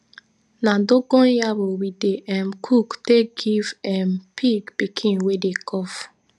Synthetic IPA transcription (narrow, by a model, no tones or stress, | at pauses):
nãdoɡɔ̃njabowideʔɛmkʰukteɡivɛmpʰiɡpikʰĩnwedekʰɔf